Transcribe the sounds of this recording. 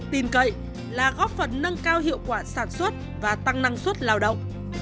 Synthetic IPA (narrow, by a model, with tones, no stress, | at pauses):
t̪i˨˩nkə̰˧˨j | laː˨˩ɣɔ˦˥p̚fə˨˩nnə˧ŋkaː˧wɦḭ˧˨əwkwaː˧˩saː˧˩nswə˦˥t̚ | vaː˨˩t̪a˧ŋna˧ŋswə˦˥t̚laː˨˩wɗə̰˧˨wŋ͡m